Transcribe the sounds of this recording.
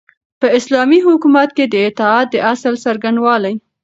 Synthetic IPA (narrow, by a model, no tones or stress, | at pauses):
pəɪslɑmiɦʊkumat̪ked̪əɪt̪ɪɑt̪̚d̪əʔasəlsaɾɡaɳɖwɑlaj